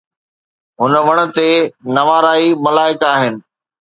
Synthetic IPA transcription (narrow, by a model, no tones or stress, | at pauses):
ɦʊnʋɐɽ̃ə̆t̪enɐʋaːɾaːimɐlaːɪkaːɦɪnɪ̆